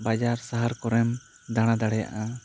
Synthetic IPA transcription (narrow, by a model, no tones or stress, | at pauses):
bad͡ʒaɾsaɦaɾkɔɾɛm | d̪aɽ̃ad̪aɽɛja̰ʔa